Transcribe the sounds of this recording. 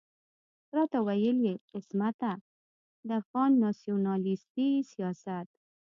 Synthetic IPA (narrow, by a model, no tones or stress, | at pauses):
ɾɑt̪awajəljeqɪsmat̪a | d̪əafɣɑnːɑsijunɑlist̪isijɑsat̪